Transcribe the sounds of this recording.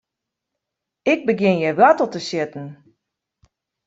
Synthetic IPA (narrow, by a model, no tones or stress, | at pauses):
ɪɡ̚bəɡjɪnjɛʋatlˠtəsjɪtn̩